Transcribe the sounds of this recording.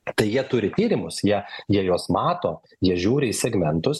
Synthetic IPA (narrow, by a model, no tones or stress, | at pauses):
t̪ɐɪjiɛt̪ʊɾʲɪt̪ʲiːɾʲɪmʊsjiɛjiɛjoːsmɑːt̪oː | jiɛʒʲuːɾʲɪisʲɛɡmʲɛnt̪ʊs